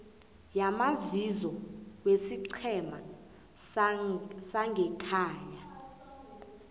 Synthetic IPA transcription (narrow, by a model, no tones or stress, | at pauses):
jamazizɔwesiǀʰɛma | saŋɡʱɛkʰaːja